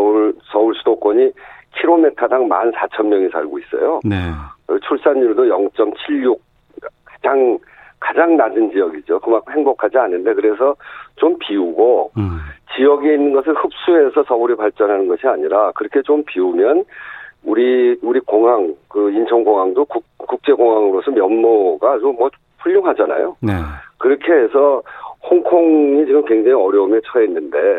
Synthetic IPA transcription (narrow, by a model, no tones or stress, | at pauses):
ʌuɭsʌuɭsʰudok͈wʌɲikʰiɾometʰadaŋma̰nsʰat͡ɕʰʌmːjʌŋisʰa̰ɭɡois͈ʌ̰joet͡ɕʰuɭs͈anːuɭdojʌŋt͡ɕ͈ʌmt͡ɕʰiʎːuk̚ | ad͡ʑaŋ | kad͡ʑaŋnadɯnd͡ʑijʌɡid͡ʑokɯmakhe̞ŋbokʰad͡ʑianːɯnde̞kɯɾe̞s̬ʰʌt͡ɕompiuɡo | t͡ɕijʌɡeinːɯnɡʌsʰɯɭhɯp̚s͈ue̞sʰʌsʰʌbuɾipaɭt͡ɕ͈ʌnɦanɯnɡʌɕʰiaɲiɾakɯɾʌkʰe̞t͡ɕompiumjʌnuɾiuɾikoŋɦaŋkɯint͡ɕʰʌŋɡoŋɦaŋdokukuk̚t͡ɕ͈e̞ɡoŋɦaŋɯɾos͈ʰɯmjʌnmoɡat͡ɕomːwʌ | ɸuʎːoŋɦad͡ʑana̰joekɯɾʌkʰe̞es̬ʰʌhoŋkʰoŋit͡ɕiɡɯmkwe̞ŋd͡ʑaŋiʌɾjʌumet͡ɕʰʌʌinːɯnde̞